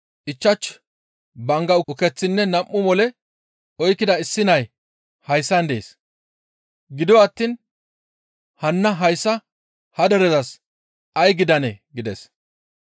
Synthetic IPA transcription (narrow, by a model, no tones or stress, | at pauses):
ʔɪt͡ʃːɐt͡ʃː | bɐŋɡɐʊʊkɛt͡sːɪnːɛnɐmʔːʊmɔlɛ | ɔjkːɪd̪ɐɪsːɪnɐj | hɐjsːɐnd̪ḛːs | ɡɪd̪ɪwːt̪ːiːn | hɐnːɐɦɐjsːɐ | hɐd̪ɛɾɛdɐs | ʔɐjɡɪd̪ɐnɛɡɪd̪ɛs